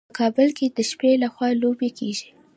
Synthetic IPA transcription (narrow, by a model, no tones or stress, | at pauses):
kʰɑbəlked̪əʃpelaxwɑlobekʰeʒi